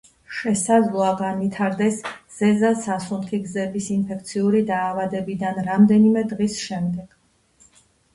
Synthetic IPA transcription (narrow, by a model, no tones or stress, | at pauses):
ʃɛsad̪zlˠɔaɡanvit̪ʰaɾd̪ɛsz̥ɛzasasunχʰiɡzɛbisinpʰɛkʰt̪sʰiuɾid̪aːvad̪ɛbid̪anɾamd̪ɛnimɛd̪ʁisʃɛmd̪ɛɡ̥